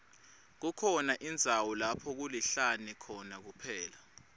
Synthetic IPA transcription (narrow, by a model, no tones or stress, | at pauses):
k̬ukʰɔnaʔind͡zʱawɔlapʰɔk̬uliɬanɛkʰɔnak̬upʰɛːla